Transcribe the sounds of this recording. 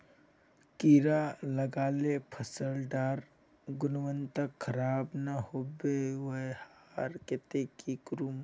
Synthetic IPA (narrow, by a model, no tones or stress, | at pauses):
kiːɾalɐɡaːlepʰɐsəlɖaːɾ | ɡʊnʋənt̪əkʰːɐɾaːbnahoːbewɐehaɾket̪ekikɾum